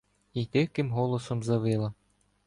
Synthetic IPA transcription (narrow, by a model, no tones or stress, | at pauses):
it̪ɪwkɪmɦɔlˠɔsɔmzɐʋɪlˠɐ